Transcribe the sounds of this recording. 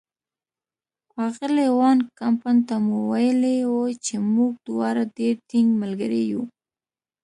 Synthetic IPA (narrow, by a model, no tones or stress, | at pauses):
ɑɣɪlewɑnkampant̪amuwajlewot͡ʃemuɡ̚d̪̥wɑɾadeɾt̪iŋɡmalɡaɾḛju